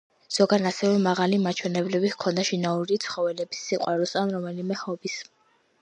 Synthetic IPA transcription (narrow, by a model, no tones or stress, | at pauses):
z̥ɔɡanasɛvɛmaʁalimat͡ʃʰwɛnɛblɛbihkʰɔnd̪aʃinauɾit̪sʰχɔvɛlɛbisːiqʼwaɾɔsanɾɔmɛlimɛhɔbis